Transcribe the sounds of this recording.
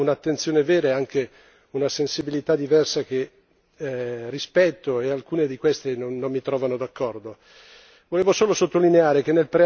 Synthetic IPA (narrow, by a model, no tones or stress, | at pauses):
unat̪ːent̪sjoːneveːɾaaŋke | unasensibilit̪ad̪ivɛrsak̟e | rːispɛt̪ːoealkuːned̪ikwest̪enonːomːit̪ɾɔːvanod̪akːɔrd̪o | voleːvosoːlosot̪ːolineaːɾek̟enːelpɾe